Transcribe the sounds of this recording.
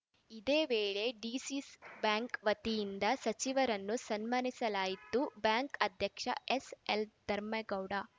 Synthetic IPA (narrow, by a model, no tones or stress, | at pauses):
id̪eːʋeːɭe̞ɖiːsisbjaːŋkʋɐt̪ijind̪ɐsɐt͡ʃiʋɐɾɐnːusɐnmanisɐlaːjit̪ːubjaːŋkɐd̪ʱjɐkʂɐ̰eseld̪ɐɾmɐɡɐwɽa